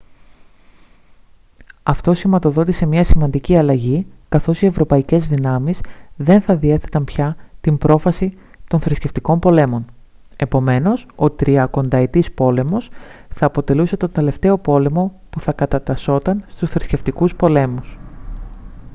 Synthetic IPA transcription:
ɐft̪o̞simɐt̪o̞ðo̞t̪ise̞mɲɐsimɐnd̪iciɐlɐʝikɐθo̞sie̞vɾo̞pɐice̞zðinɐmizðe̞nθɐðie̞θe̞t̪ɐmpçɐt̪imbɾo̞fɐsi | t̪o̞nθɾisce̞ft̪iko̞mpo̞le̞mo̞n | e̞po̞me̞no̞so̞t̪ɾiɐko̞nd̪ɐet̪ispo̞le̞mo̞sθɐːpo̞t̪e̞luse̞t̪o̞nd̪e̞le̞ft̪e̞o̞po̞le̞mo̞ | puθɐkɐt̪ɐt̪ɐso̞t̪ɐnst̪usθɾisce̞ft̪ikuspo̞le̞mus

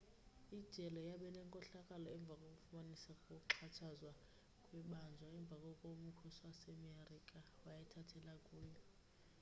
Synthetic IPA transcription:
id̥ʒ̥ʱɛlɔjaɓɛnɛŋkʼɔɬakʼalɔɛɱb̪vʱakʼokʼufumanisakɔǁʰat͡ʃʰazwa | kʼwɛɓand͡ʒʱwaɛɱb̪vʱakʼɔkʼom̩kʰusuwasɛmerikʼawajɛtʰatʰɛlakʼuːjɔ

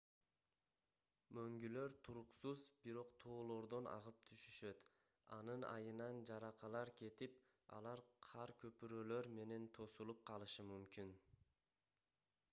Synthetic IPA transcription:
møŋɡylø̞ɾt̪ʰuɾuqsuzbiɾo̞qt̪ʰo̞ːlˠo̞ɾd̪o̞nʔɑ̰ʁɯp̚t̪ʰyʃyʃø̞t̪ | ɑ̰nɯnɑ̰jɯnɑnd͡ʒɑɾɑqʰɑlˠɑɾkʰe̞t̪ip | ɑ̰lˠɑɾqʰɑɾkʰø̞pyɾø̞ːlø̞ɾme̞ne̞nt̪ʰo̞sulˠup̚qʰɑlˠɯʃɯmymkin

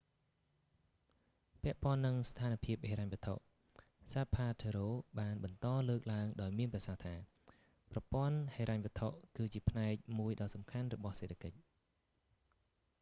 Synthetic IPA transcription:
pɛ̆əʔpŏənːɨŋst̪ʰaːnpʰiəp̚heːɾaɲʋɨ̆ət̪ʰo̰ʔ | saːpʰaːt̪ʰeɾoːɓaːnɓɑnt̪ɑːləːk̚laəŋɗaɔjmiənprɑsaht̪ʰaː | prɑpŏənheːɾaɲʋɨ̆ət̪ʰoʔkɨːt͡ɕiəpʰnaɛk̚muəjɗɑːsɑmkʰanrɔɓɑhseːt̪ʰḁkəc̚

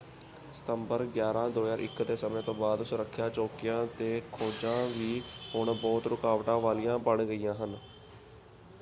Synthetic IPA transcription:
sə̥t̪əmbəɾɡjaːɾãːd̪oːjaːɾʔɪ̰kːd̪eːsəmẽːt̪õːbaːd̪sʊɾəkʰːjaːt͡ʃoːkɪjãːt̪eːkʰoːd͡ʒãːʋiːɦʊɳbɔːt̪ɾʊkaːʋʈãːʋaːlijãːbəɳɡəiːjãːɦən

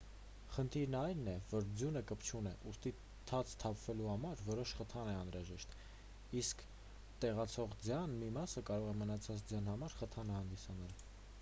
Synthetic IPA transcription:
χənt̪ʰiɾnɑjnːɛvɔɾd͡zjunəkəpʰt͡ʃʰunɛʔust̪i | t̪ʰɑt͡sʰt̪ʰɑpʰvɛluhɑmɑɾvɔɾɔʃχət̪ʰɑnɛɑnɾɑʒɛʃt̪ | iskʰ | t̪ɛʁɑt͡sʰɔʁd͡zjɑnmimɑsəkɑɾɔʁɛmənɑt͡sʰɑt͡sd͡zjɑnhɑmɑɾχət̪ʰɑnəhɑnd̪isɑnɑl

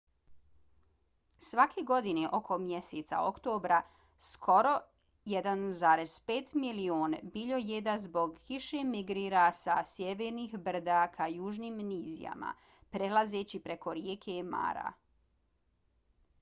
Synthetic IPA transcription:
sʋakʰeɡo̞d̪ineʔo̞kʰo̞mje̞set̪sa̰o̞̰kt̪oːbɾa | skʰo̞ɾo̞ | jed̪anzaːɾe̞zpeːt̪milioːnbiʎo̞jed̪azbo̞ɡkiʃemiɡɾiːɾasa̰sjeʋeːɾnixbr̩d̪akʰajuːʒniːmniːzḭja̰ma̰ | pɾe̞lˠaze̞ːt͡ɕipɾe̞ko̞ɾjeːkʰe̞ma̰ːɾa̰

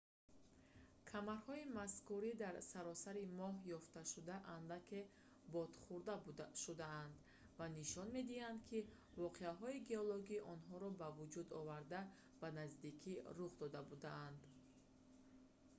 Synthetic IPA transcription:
kʰamaɾhɔimaskuɾid̪aɾsaɾɔsaɾimɔɦjɔft̪aʃud̪aʔanlakʰe̞ | bɔd̪̥χuɾd̪aʃud̪aːnd̪ | vaniʃɔnme̞d̪ihand̪kʰi | vɔqʰeaɦɔiɡeɔlɔɡiʔɔnɦɔɾɔbavud͡ʒud̪ɔvaɾd̪a | b̥anazd̪ikʰiɾuχd̪ɔd̪abud̪aːnd̪

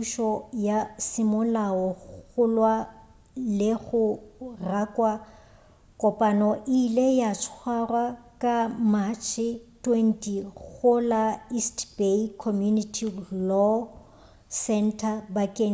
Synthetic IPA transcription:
uʃɔjasɪmʊlaɔɣʊlwa | lɪɣʊrakʼwa | kʼɔpʼanɔʔɪlejat͡ʃʰwarwakʼamat͡ʃʰɪtʰʼwentʼiɣʊlaistbekʰɔmjunitʰilɔ | sɛntʰabakʼe

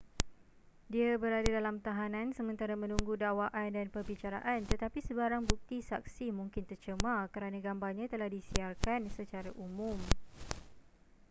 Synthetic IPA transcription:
diabəɾadadalamt̪aɦanãnsəmə̃nt̪aɾamə̃nũŋɡudawaʔandanpərbit͡ʃaɾa̰ʔant̪ət̪apisəbaɾaŋbuk̚t̪isa̰k̚simũŋkɪnt̪ərt͡ʃəmakəɾanãɡambarɲãt̪əlahdisiarkansət͡ʃaɾaʔumũm

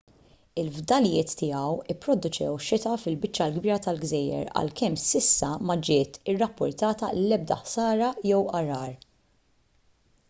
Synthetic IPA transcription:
ɪlvd̪ɐljɪːt̪ːɪjɐwɪpːɾɔd̪ʊt͡ʃɛ̰wʃɪt̪ɐfɪlbɪt͡ʃːɐlɡbiːɾɐt̪ɐlɡzɛjɛ̰ɾɐ̰lkɛmsɪsːɐmɐd͡ʒɪːt̪ɪrːɐpːʊɾt̪ɐːt̪ɐlɛb̚d̪ɐ̰ħsɐːɾɐjɛwʔɐɾɐːɾ

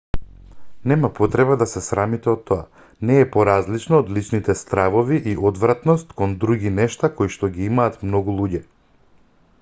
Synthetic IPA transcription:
nɛmapɔt̪ɾɛβad̪asɛsɾamit̪ɛot̪ʰːoa̰ | nɛːpɔɾazlit͡ʃnɔːd̪lit͡ʃnit̪ɛst̪ɾavoviʔiʔod̪vɾat̪nɔst̪kond̪ɾuɡinɛʃt̪akojʃt̪ɔɡiimaːt̪mnɔɡulˠuɟɛ

